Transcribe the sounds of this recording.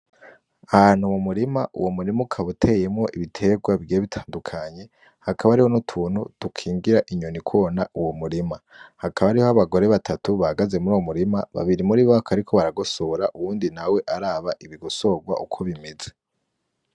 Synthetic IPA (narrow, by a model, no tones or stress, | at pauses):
ahaːn̥humumuɾimaʔṵwomuɾimukʰaβutʰe̞je̞mŋo̞ʔiβitʰe̞ɡwaβɡieβitʰḁːndukʰaɲe̞ | hakʰaβaɾiho̞nutʰuːn̥hutukʰiːŋɡiɾaʔiɲonikʰuβonauwomuɾima | hakʰaβaɾiho̞aβaɡo̞ɾe̞βatʰatuβahaɡaze̞muɾuwomuɾimaβa̰βiɾimuɾiβakʰaɾikʰo̞βaɾaɡosoɾaʔuwuːndinawe̞ʔaɾaːβaʔiβiɡoso̞ɡwa̰ʔukʰo̞βimeze̞